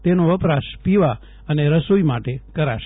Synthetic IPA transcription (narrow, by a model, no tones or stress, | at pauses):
t̪enoʋəpɾaʃpiʋa | əneɾəsujmaʈekəɾaʃ